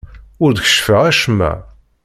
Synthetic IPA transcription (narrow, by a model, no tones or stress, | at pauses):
ʊɾd̪çə̥ʃfəʁæʃmæ̰